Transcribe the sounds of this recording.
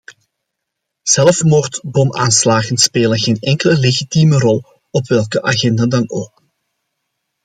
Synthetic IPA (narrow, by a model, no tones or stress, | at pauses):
z̥ɛlfmɔːrtbɔmʔaːnslaːɣənspeːlənɣeːnɛŋkələleːɣitiːmərɔlˠ | ɔpʋɛlˠkəʔaːɣɛndaːdɑnoːk̚